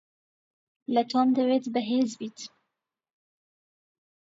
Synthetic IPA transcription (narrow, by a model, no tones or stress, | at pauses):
lət̪ʰomd̪əweːt̪bəɦeːzbiːt̪